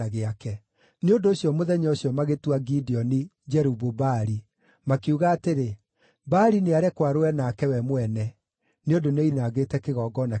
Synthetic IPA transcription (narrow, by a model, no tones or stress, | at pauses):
aɣeakɛ | neondoːɕjɔmoðɛɲɔoɕjɔmaɣetuaɡidiɔni | d͡ʒɛɾubobaɾi | makeuɣaːteɾe | baɾineaɾɛkwaɾoɛnaːkɛwɛmwɛnɛ | neondoneinaɣetɛkeɣɔːɡɔna